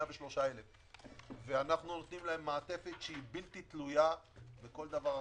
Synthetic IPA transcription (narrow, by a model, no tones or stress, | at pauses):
abeʃlo̞ʃaelev | veanaχnunot̪nimlaemːaːt̪e̞fe̞t̪ʃeibilt̪it̪lujabeko̞ld̪avaʁ